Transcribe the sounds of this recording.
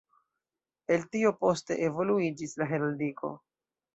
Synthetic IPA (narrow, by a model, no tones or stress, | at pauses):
e̞ltiopo̞ste̞̰ʔevo̞luid͡ʒislaɦeɾaldiko̞̰